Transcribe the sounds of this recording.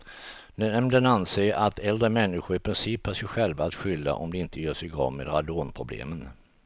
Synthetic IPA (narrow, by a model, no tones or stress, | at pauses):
d̪ɛɛmd̪ənanseːat̪ʰɛld̪ɾəmɛnːɪɧʊɾɪpɾɪnsiːphœʂɛjɧɛlvaːt̪ɧʏlːa̰ʔɔmd̪ɛɪnt̪ʰəjœːʂɛjɡɑ̰ːmḛd̪ɾad̪oːnpʰɾʊblḛːmən